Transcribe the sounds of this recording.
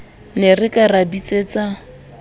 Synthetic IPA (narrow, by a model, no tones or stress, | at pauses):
nerɪkʼarabit͡sʼeːt͡sa